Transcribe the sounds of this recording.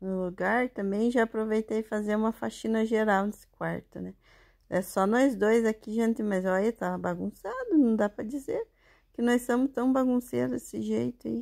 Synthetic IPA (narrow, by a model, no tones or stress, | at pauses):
nʊluɡaɾt̪ɐ̃mbẽj̃ʒaːpɾovejt̪ejfazeɾũmɐfaʃĩnɐʒeɾawnesɪ̥kwaɾt̪ʊ̰nɛ | ɛsɔnɔjzd̪ojzakiʒẽnt̪ɪmɐjzɔjɐt̪avɐbaɡũsad̪ʊnɐ̃w̃d̪apɾɐd͡ʒizeɾ | kɪnɔjsɐ̃mʊst̪ɐ̃w̃baɡũsed̪ʊd̪esɪʒejt̪ʊai